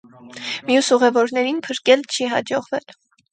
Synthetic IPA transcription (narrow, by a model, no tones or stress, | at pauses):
mjusuʁɛvɔɾnɛɾinpʰəɾkɛlt͡ʃʰiɦɑ̰d͡ʒɔʁvɛl